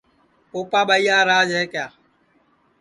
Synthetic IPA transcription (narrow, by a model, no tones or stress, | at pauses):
poːpaːɓaiːaːɾaːd͡ʒɦeːkjaː